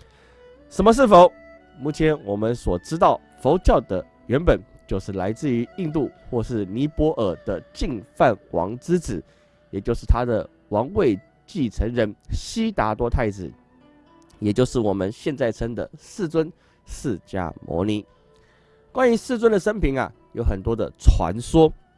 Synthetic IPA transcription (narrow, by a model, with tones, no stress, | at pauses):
ʂə˧˥nmə˦ʂ̬ɻ̩˥˩fo˧˥˦ʊ | mu˥˩t͡ɕʰjɛ˧˥nwɔ˨˩mə˦nswɔ˨˩ʈ͡ʂɻ̩˥t̪̬ɑ˥˩ʊ | fo˧˥ʊt͡ɕjɑ˥˩ʊd̪ə˩ | ɥɛ˧˥npə˨˩˦nt͡ɕjo˥˧ʊʂɻ̩˥˩la˧˥ɪt͡sɹ̩˥˩y˧˥i˥˧nt̪u˥˧xwɔ˥˧ʂɻ̩˥˩ni˧˥pwɔ˧˥ʔə˨˩d̪̥ə˦t͡ɕi˥˧ŋfa˥˩nwʔɑ̰˧˥ŋt͡sɹ̩˥t͡sɹ̩˨˩˦ | jɛ˨˩t͡ɕjo˥˧ʂɻ̩˥˩t̪ʰa˥d̪ə̰˨ | wɑ˧˥ŋwe˥˧ɪ | t͡ɕi˥˩t͡sʰə˧˥ŋɻə˧˥nɕi˥t̪a˧˥t̪wɔ˥t̪ʰa˥˩ɪt͡sɹ̩˨˩ | jɛ˨˩t͡ɕjo˥˧ʊʂɻ̩˥˩wɔ˨˩mə˦nɕjɛ˥˧nt͡sa˥˩ɪt͡sʰə˥ŋd̪ə̰˨sɹ̩˥˩t͡swə˦n | ʂɹ̩˥˧t͡ɕja̰˥˩mwɔ̰˧˥ni˧˥ | kwa˥˦ny˧˥sɹ̩˥˧t͡swə˥˦nd̪ə˨ʂə˥npʰi˧˥ŋa̰˨ | jo˧˥ʊxə˨˩nt̪wɔ˥d̪ə̰˨ʈ͡ʂʰwa̰˧˥nswɔ˥